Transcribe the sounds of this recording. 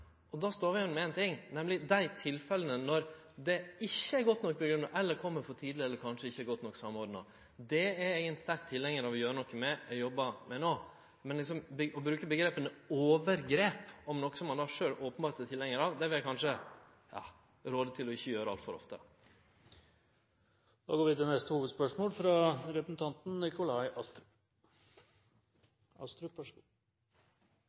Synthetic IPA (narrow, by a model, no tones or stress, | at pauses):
ʔɔd̪ɑst̪oːɾʋɪjɛnmɛɛːnt̪ɪŋnɛmlɪd̪æɪt̪ʰɪlfɛlənənɔɾ | d̪ɛɪçːəæɾɡɔt̪ːnɔkːpɔɡɾʉnːɑʔɛlːəɾkʰɔmːəɾfɔɾt̪ʰiːd̪lɪɛlːəɾkʰɑnʂəɪçːəæɾɡɔt̪ːnɔkːsɑmːɔɾɖnɑ̰ | d̪ɛæɾeːɡənɛnɪst̪æɾk̚t̪ʰɪlːɛŋːəɾɑʋɔjøːɾənɔkːəmɛɛjɔbːɑmɛnoː | mɛnlɪksɔmbəɔbɾʉːkəbəɡɾeːpənəoːʋəɾɡɾeːpɔmnɔkːə̥sɔmːɑnd̪ɑːʂøːɾoːpənbɑːɾt̪ət̪ʰɪlɛŋːəɾɑʋd̪ɛʋɪljækɑnʂə | jɑ̰ː | ɾoːd̪ət̪ʰɪlɔɪçːəjøːɾəɑlt̪fɔɾɔ̰ft̪ə̰ | d̪̥ɑ̰ːɡoːɾʋɪt̪ɛnɛst̪əhuːʋəd̪spœʂmoːlfɾɑɾɛpɾəsn̩t̪ʰɑnt̪n̩nɪkʊlɑɪʔɑst̪ɾ | ɑst̪ɾʉæ